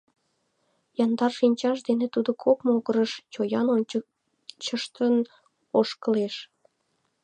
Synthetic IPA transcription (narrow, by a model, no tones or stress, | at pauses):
jɑnd̪ɑrʃinʲt͡ɕɑʃd̪enet̪ud̪okʰopmoɣəɾəʃt͡ɕojɑno | t͡ɕəʃt̪ən | oʃkəleʃ